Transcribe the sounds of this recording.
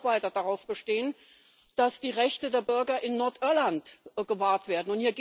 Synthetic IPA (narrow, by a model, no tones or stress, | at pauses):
v̥aɪtɐdaʁaʊfb̥əʃteːən | d̥asd̥iːʁɛçtədeːɐbʏɐɡɐʔɪnːɔɐtʔɪɐlantɡ̥əvaːɐtv̥eːɐdn̩ʊnthiːɐɡ